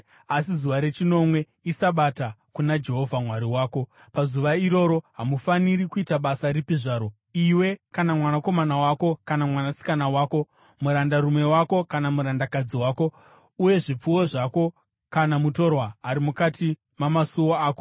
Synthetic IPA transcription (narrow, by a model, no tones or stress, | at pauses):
asizuʋaɾe̞t͡ʃino̞mwe̞ | isaɓatakunad͡ʒe̞ɦo̞vʱamwaɾiwaːko̞ | pazuʋaiɾo̞ɾo̞ɦamufaniɾikuitaɓasaɾipiʐaːɾo̞ | iwe̞kanamwanako̞manawaːko̞kanamwanasi̥kanawaːko̞ | muɾandarumwe̞wako̞kanamuɾandakad͡ziwaːko̞ | uje̞ʐip͡fuwo̞ʐako̞ | kanamuto̞rwaːɾimukati | mamasuwoaːko